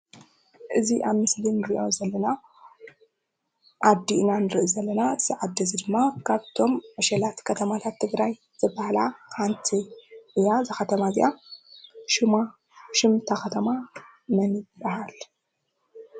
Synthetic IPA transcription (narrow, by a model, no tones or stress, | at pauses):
ʔɨziʔaβmɨslinɨɾiʔo̞zɐlːɐna | ʕad̪inanɨɾɨʔuzɐlːɐnaɨz̥ɨʕad̪ːizid̪ɨmːakʰaβt̪ʰo̞mʕɨʃɐlat̪kʰɐt̪ʰɐmat̪ʰat̪ʰːɨɡɾaj | z̥ɨbːahalaxant̪ʰiʔɨjazɨxɐt̪ʰɐmaziʔa | ʃuma | ʃɪmt̪ʰakɐt̪ʰɐma | nɐnɨbːɐɦal